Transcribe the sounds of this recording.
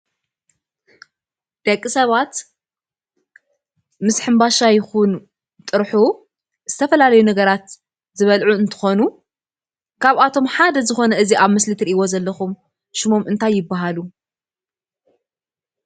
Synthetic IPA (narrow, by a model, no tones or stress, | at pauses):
d̪̥ɐkʼːisɐβat̪ | mɨsħɨmbaʃajɪxun | t̪ʼɨɾħu | z̥ɨt̪ʰɐfɐlalɐjunɐɡɐɾat̪ | zɨβɐlʕuɨnt̪ʰɨ̥xo̞nu | kʰaβat̪ʰo̞mħad̪ɐzɨxo̞nɐʔɨziʔaβmɨslɨt̪ʰɾiʔiwozɐlːɐxum | ʃɪmo̞mʔɨnt̪ʰajːɪbːaɦalu